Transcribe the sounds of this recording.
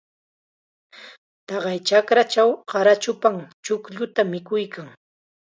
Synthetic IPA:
t̪ɑɢɑjt͡ʃakɾat͡ʃawɢɑɾat͡ʃʊpaŋt͡ʃʊkʎʊt̪amɪkʊjkʰaŋ

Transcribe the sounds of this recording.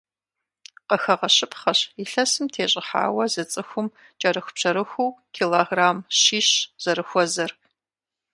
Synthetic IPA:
qəxɐʁɐɕɪpʰχɐɕiɬɐsɨmtʰeːɕʼɪħa̰ːwɐzɐt͡sʼɨxʷʊm | t͡ʃʼɐɾɨxʷpt͡ʃʰɐɾɨxʷuwkʲʰiːloɣraːmɕiːɕz̥ɐɾɨxʷɔzɐr

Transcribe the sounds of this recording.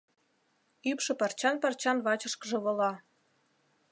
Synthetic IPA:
ypʃɤ̆pɑrt͡ɕɑnpɑrt͡ɕɑnβɑt͡ɕɤ̆ʃkɤʒɤ̆βɤ̆lɑ

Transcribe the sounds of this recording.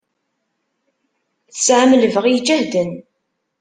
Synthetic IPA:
θəsʕamələvəʁjd͡ʒæhd̪ən

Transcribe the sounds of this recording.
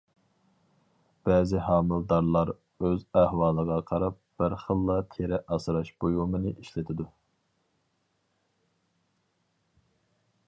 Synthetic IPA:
b̥ɛːzɪhɑːmɨlˠd̪ɑɾlˠɑɾ | øzæhwɑːlˠəʁɑqʰɑɾɑp̚b̥ɪɾχəlˠːɑt̪ʰeɾɛʔɑsɨɾɑʃb̥ojumɨnɨʔiʃlɪt̪ʰɪd̪u

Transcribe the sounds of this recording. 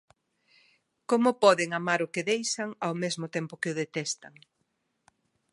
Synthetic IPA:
komʊpɔðɪŋamaɾʊkɪðejʃaŋawmezmʊt̪ɛmpʊkɪʊðet̪ɛst̪aŋ

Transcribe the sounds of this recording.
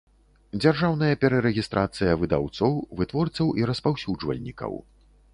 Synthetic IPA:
d͡zʲarʐawn̪ɐjɐpʲɛɾɐɾɛɣʲist̪ɾʔat̪sɨjɐvɨd̪a̰wt̪sɔwvɨt̪vɔrt̪sɐwʔiɾɐspawsʲud͡ʐvɐ̰lʲnʲikɐ̰w

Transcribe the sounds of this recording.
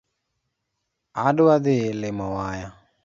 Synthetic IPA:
adʊwaðɪlɪmɔwaja

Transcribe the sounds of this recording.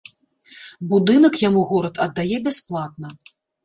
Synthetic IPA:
bud̪ɨnɐkjamuɣɔɾɐt̪ɐd̪ːajɛbʲasplˠat̪̚nɐ

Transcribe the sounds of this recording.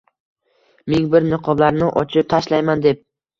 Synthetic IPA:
mɪŋbɪɾnɪqʰɒblaɾnɪʔɒt͡ʃʰɪp̚t̪ʰaʃlajmand̪ep̚

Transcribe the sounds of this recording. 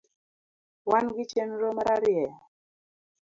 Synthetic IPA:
wanɡit͡ʃɛnɾomaɾaɾiɛ

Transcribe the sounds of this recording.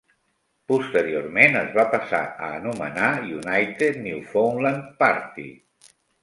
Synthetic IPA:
pust̪əɾioɾmenəzβapasa̰əːnumə̰najunajt̪et̪niwfownlanpaɾt̪ḭ

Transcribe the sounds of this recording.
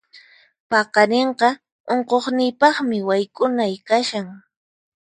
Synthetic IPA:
pɑqɑneɴqɑ | oɴqoχnɪjpɑχmɪwajkʼʊnajkaʃaŋ

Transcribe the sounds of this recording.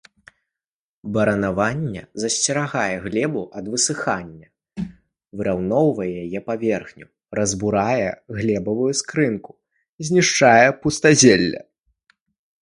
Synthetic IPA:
bɐɾɐnavanʲːɛ̰zɐsʲt͡sʲɛɾaɣajɛɣlʲɛbuʔɐd̪vɨsɨxanʲːɐ | vɨɾawnɔwvɐjɛjajɛpavʲɛrxnʲu | ɾɐzbuɾajɛɣlʲɛbɐvujuskɾɨnku̥ | zʲnʲiʂt͡ʂajɛpust̪azʲelʲːɐ̰

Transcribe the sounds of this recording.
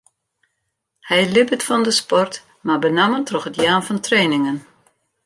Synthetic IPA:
hɛjlɪbətfɔndəspɔrt | mabənaməntrɔxətjaːnfɔntreːnɪŋən

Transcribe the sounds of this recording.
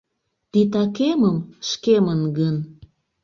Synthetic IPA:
t̪it̪ɑkeməmʃkemənɡən

